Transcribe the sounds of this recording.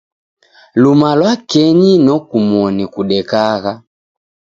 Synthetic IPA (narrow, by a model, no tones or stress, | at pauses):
lumalwakɛɲinɔkumwɔnikuɗɛkaɣa